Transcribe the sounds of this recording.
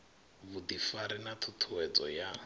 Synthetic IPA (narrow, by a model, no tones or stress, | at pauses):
βud̪ifaɾinat̪ʰut̪ʰuwɛt͡sʼɔja